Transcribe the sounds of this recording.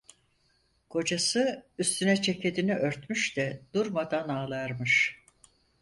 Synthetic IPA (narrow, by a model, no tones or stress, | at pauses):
kʰo̞d͡ʒasɯyst̪ʰynɛt͡ʃʰe̞cʰe̞d̪iniʔø̞ɾt̪myʃd̪ɛd̪̥uɾmad̪anaːlˠaɾmɯʃ